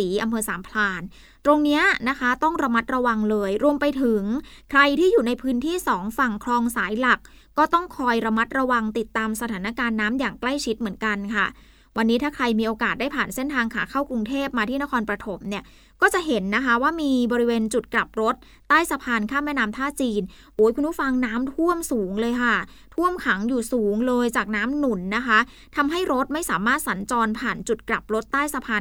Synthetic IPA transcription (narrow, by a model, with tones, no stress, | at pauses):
iː˩˦ʔa˧mpʰɤː˧saː˩˦mpʰlaː˧n | t̪ɾo˧ŋni˦˥ɐna˦˥kʰa˦˥t̪ɔ˥˩ŋɾa˧ma˦˥t̪̚ɾa˧wa˧ŋlɤː˧jɾu˧əmpa˧jt̪ʰɯ˩˦ŋkʰɾa˧jt̪ʰiː˥˩juː˨˩na˧jpʰɯː˦˥nt̪ʰiː˥˩sɔː˩˦ŋfa˨˩ŋkʰlɔː˧ŋsaː˩˦jla˨˩k̚ːɔː˥˩t̪ɔ˥˩ŋkʰɔː˧jɾa˧ma˦˥t̪̚ɾa˧wa˧ŋt̪i˨˩t̪ːaː˧msa˧t̪ʰaː˩˦na˧kaː˧nːaː˦˥mjaː˨˩ŋkla˥˩jt͡ɕʰi˦˥t̪̚mɯ˩˦ənka˧nkʰa˥˩ | wa˧nːiː˦˥t̪ʰaː˥˩kʰɾa˧jmiː˧ʔoː˧kaː˨˩t̪̚daː˥˩jpʰaː˨˩nse˥˩nt̪ʰaː˧ŋkʰaː˩˦kʰaː˥˩wkɾu˧ŋt̪ʰeː˥˩p̚maː˧t̪ʰiː˥˩na˦˥kʰɔː˧npɾa˧t̪ʰo˩˦mni˥˩ɐ | kɔː˥˩t͡ɕa˨˩ʔɦe˩˦nːa˦˥kʰa˦˥waː˥˩miː˧bɔː˧ɾi˦˥weː˧nt͡ɕu˨˩t̪̚kla˨˩p̚ɾo˦˥t̪̚ːaː˥˩jsa˧pʰaː˧nkʰaː˥˩mɛː˥˩naː˦˥mt̪ʰaː˥˩t͡ɕiː˧n | ʔoː˩˦˥jkʰu˧ntʰuː˦˥˩fa˧ŋnaː˦˥mt̪ʰu˥˩əmsuː˨˩˦ŋlɤː˧jkʰa˥˩ | t̪ʰu˥˩əmkʰa˩˦ŋjuː˨˩suː˩˦ŋlɤː˧jt͡ɕaː˨˩k̚naː˦˥mnu˨˩˦nːa˦˥kʰa˦˥ | t̪ʰa˧mɦa˥˩jɾo˦˥t̪̚ma˥˩jsaː˩˦maː˥˩t̪̚sa˩˦nt͡ɕɔː˧npʰaː˨˩nt͡ɕu˨˩t̪̚kla˨˩p̚ɾo˦˥t̪ːaː˥˩jsa˧pʰaː˧n